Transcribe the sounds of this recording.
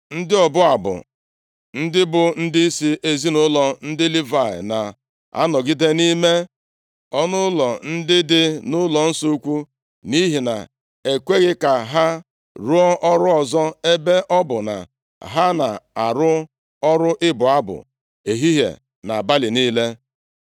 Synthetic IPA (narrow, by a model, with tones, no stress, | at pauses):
n̩˦dɪ˦ɔ˨bʊ˦a˨bʊ̰˨ | n̩˦dɪ˦bʊ˨n̩˦dɪ˦i˦si˦ʔe˨zi˦nʊ˦lɔ˨n̩˦dɪ˦li˦va˨ɪ̰˨na̰˨ | a̰˦nɔ˨ɡi˦de˦ni˦me˦ | ɔ˦nʊ˦lɔ˨n̩˦dɪ˦dɪ˦nʊ˦lɔ˨n̩˦so˦u˦kʷu˦ | ni˦ɦi˨na̰˨ | e˨kʷe˦ɣɪ˦ka˨ɦa˦ | ɾu˦ɔ˦ʔɔ˦ɾʊ˦ɔ˨zɔ˦e˦be˦ʔɔ˦bʊ˨na̰˨ | ɦa˦na˨a˨ɾʊ˦ | ɔ˦ɾʊ˦ʔɪ˦bʊ˨a˦bʊ̰˨ | e˨ɦi˦ɦḛ˨ | na˨a˨ba˦lɪ˨niː˦le˦